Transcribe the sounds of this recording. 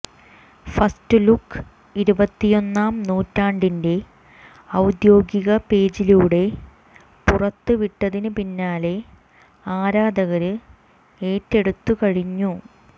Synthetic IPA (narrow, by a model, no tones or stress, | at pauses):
fɐstɨlukː | iɾubɐt̪ːijo̞nːaːmnuːtːaːɳɖinde̞ | ɐwd̪jo̞ːɡiɣɐpe̞ːd͡ʑiluːɽe̞ | purɐt̪ːɨʋiʈːɐðinɨpinːaːle̞ | aːɾaːd̪ɐɣɐɾɨ | eːtːe̞ɽut̪ːukɐɻiɲːu